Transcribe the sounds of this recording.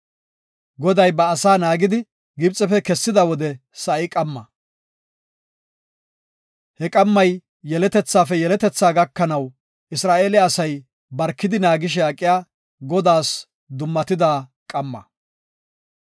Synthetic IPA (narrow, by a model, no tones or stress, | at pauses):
ɡɔd̪ɐjbɐːsaːnaːɡɪd̪ɪ | ɡɪbt͡sʼːɛfɛkɛsːɪd̪ɐwɔd̪ɛsɐʔɪkʼɐmːɐ | hɛkʼɐmːɐjː | ɛlɛt̪ɛt͡sːaːfɛjɛlɛt̪ɛt͡sːaːɡɐkːɐnɐw | ʔɪsɾaːʔeːlɪːsɐj | bɐɾkːɪd̪ɪnaːɡɪʃ̬ɛakʼːɪjaː | ɡɔd̪aːs | d̪ʊmːɐt̪ɪd̪aːkʼɐmːɐ̰